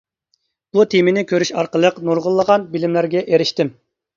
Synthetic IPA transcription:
b̥ut̪ʰemɪnɪkʲʰøɾyʃɑɾqəlˠəqnuɾʁʊlˠːəʁɑnbilɪmlæɾɡʲɛʔeɾɪʃt̪ɪm

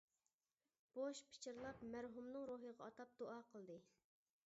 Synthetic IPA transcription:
b̥oʃpʰɪ̥t͡ʃʰɪɾlˠɑpmæɾɦumnɨŋɾoɦəʁɑɑt̪ʰɑp̚d̪̥oʔɑːqʰəlˠd̪ɨ

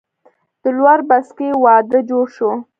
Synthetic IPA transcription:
d̪̥əlwaɾbaskewɑd̪əd͡ʒoɽʃo

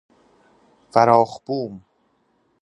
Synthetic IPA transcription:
fæɾɒːχb̥uːm

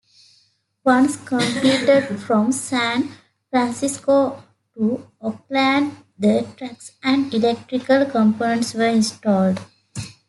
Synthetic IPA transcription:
ʋʌ̃nskə̃mpliːʈeɖfɾɔ̃msæ̃n | fɾæ̃nsisko | ʈuɔk̚læ̃ɳɖ | d̪əʈɾæksæ̃ɳɖilek̚ʈɾikəlkə̃mpoːnə̃ɳʈsʋəɾĩnsʈɔːlɖ

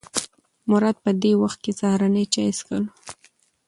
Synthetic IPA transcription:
mʊɾɑd̪̚pəd̪ewaxt̪̚kezahɾanəjt͡ʃɑjskəl

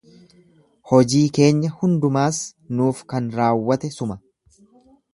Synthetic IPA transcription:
hɔd͡ʒiːke̞ːɲːɐhʊnd̪ʊmaːsnuːfkɐnɾaːwːɐt̪ɛsʊmɐ

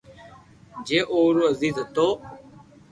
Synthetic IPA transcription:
d͡ʒeːʔoːɾuːəziːzɦət̪oː

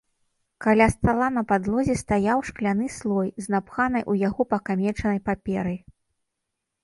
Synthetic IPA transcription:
kalʲast̪alˠan̪ɐpad̪lˠɔzʲɛst̪ajawʂklʲanɨslˠɔjznapxanɐjʔujaɣɔpɐkamʲɛt͡ʂɐnɐjpapʲɛɾɨj

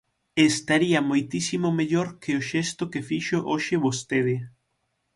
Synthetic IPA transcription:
est̪aɾiɐmojt̪isimomeʎoɾkeoʃest̪ʊkefiʃoʔoʃɪβost̪eðɪ

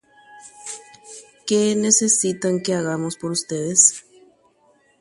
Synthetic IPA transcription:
kenesesit̪aŋkeaɣamospoɾust̪eðes

